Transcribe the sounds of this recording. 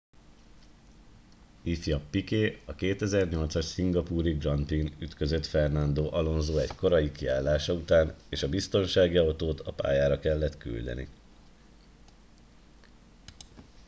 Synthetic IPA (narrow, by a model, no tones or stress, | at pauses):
ifjɒpːikeːɒkeːt̪ɛzɛrɲo̞lt̪sɒʃsiŋɡɒpuːɾiɡrɒnt̪inyt̪kø̞zø̞t̪fɛrnɒnd̪oːʔɒlo̞nzoːɛcko̞ɾɒjikiaːlːaːʃɒut̪aːneːʃɒbist̪o̞nʃaːɡiɒwt̪oːt̪ʰɒpa̰ːjaːɾɒkɛlːɛt̪ky̰ld̪ɛ̰nḭ